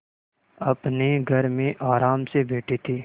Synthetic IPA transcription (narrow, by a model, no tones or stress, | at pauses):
ɐpneɡʱɐɾmẽʔaːɾaːmsebeːʈʰet̪ʰeː